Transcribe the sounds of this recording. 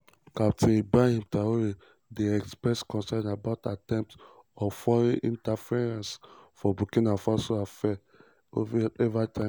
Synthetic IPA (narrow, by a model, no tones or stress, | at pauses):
kap̚tebaĩmtaoɾe | deɛkspɹɛskɔ̃nsɛ̃nabaʊtatɛ̃mp̚t | ɔfɔɾĩʔĩntafeɾãnsfɔbukĩnafasoafɛ | ɛvatʰãɪ̃